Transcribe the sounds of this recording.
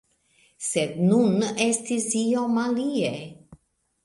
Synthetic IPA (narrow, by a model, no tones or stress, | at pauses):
sed̪̚nune̞stisiomalie